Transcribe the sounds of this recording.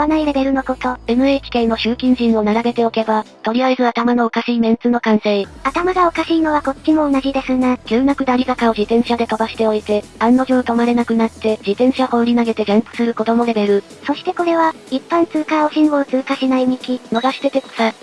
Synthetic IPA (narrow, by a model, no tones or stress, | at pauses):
banaiɾe̞be̞ɾɯ̟no̞ko̞t̪o̞e̞mɯ̟e̞ːkʲi̥kẽ̞nno̞ɕɨːkʲĩɲ̟ʑĩɰ̃o̞naɾabe̞t̪e̞o̞ke̞bat̪o̞ɾʲijaezɨat̪amano̞ːkaɕiːmẽ̞nt͡sɨno̞kãɰ̃seiat̪amaɡao̞kaɕiːno̞βako̞t͡ɕ̚t͡ɕːimo̞ːnaʑid̪e̞sɨnaɡʲɨːnakɯ̟d̪aɾʲizakao̞ʑit̪ẽ̞ɰ̃ɕad̪e̞t̪o̞baɕi̥t̪e̞o̞it̪e̞ãnːo̞ʑoːt̪o̞maɾe̞nakɯ̟nat̪ːe̞d͡ʑit̪ẽ̞ɰ̃ɕahõ̞ɾʲinaɡe̞t̪e̞ɡẽ̞mpɯ̟̥sɨɾɯ̟ko̞d̪o̞mo̞ɾe̞be̞ɾɯ̟ | so̞ɕi̥t̪e̞ko̞ɾe̞βa | ipːãnt͡sɨːkao̞ɕĩboːt͡sɨːkaɕinaimʲikʲino̞ɡaɕi̥t̪e̞t̪eko̥sa